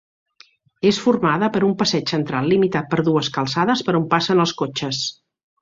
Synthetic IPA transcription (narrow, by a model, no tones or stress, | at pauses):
esfurmaðəpəɾumpəsɛt͡ʃsənt̪ɾalˠːimit̪at̪̚pəɾðuəskəlˠsaðəspəɾumpasənəlˠskot͡ʃəs